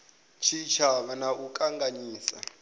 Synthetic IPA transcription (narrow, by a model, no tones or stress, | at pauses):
t͡ʃʰit͡ʃʰaβanaʔukʼaŋɡaɲiːsa̰